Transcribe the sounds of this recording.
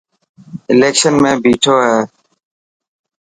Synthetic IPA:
ɪleːkʃənmẽːbiːʈʰoːɦeː

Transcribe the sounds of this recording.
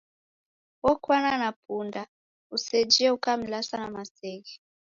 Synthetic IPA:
wɔkʰwananapʰunda | used͡ʒiɛukamilasanamaseːkɛ

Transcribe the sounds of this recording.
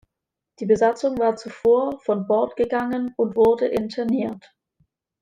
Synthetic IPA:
d̥iːbəzat͡sʊŋvaːɐt͡sufoːɐfɔnbɔɐtɡ̥əɡaŋənʊntv̥ʊɐdəʔɪntʰɛɐniːɐt

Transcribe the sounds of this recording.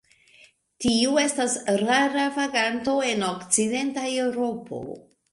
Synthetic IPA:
tiue̞stasɾaɾavaɡanto̞e̞no̞kt͡side̞ntae̞wɾo̞pʰo̞̰

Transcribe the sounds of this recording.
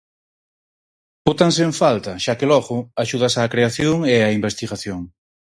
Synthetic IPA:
pot̪ans̬eɱfalt̪ɐʃakelɔɣʊaʃuðasaːkɾeaθjoŋeaimbest̪iɣaθjoŋ

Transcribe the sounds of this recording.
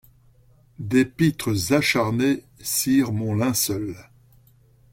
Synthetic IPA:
d̪epit̪χəzaʃaʁne | siʁmɔ̃lɛ̃sœl

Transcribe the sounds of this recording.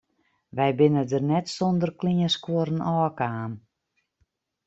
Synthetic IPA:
ʋɛjbɪnədərnɛtsondərkliəskuəɾənɔːkaːn

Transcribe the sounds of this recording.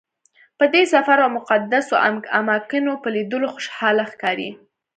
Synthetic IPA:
pəd̪esafaɾawmʊqad̪asoʔa̰a̰mɑkɪnopəlid̪əloxʊʃhɑlaxkɑɾḭ

